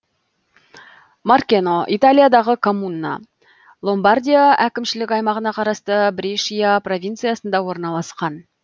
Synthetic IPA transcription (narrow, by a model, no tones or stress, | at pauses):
markʲenoʔit̪alʲijad̪ɑʁəkʰo̞munːɑ̰ | lˠo̞mbard̪ʲijaʔækʲɪmʃɪlɪkʲɑjmɑʁənɑqʰɑɾɑst̪əbɾʲiʃijapro̞vʲint̪sijasənd̪ɑwo̞ɾnɑlˠɑsqɑn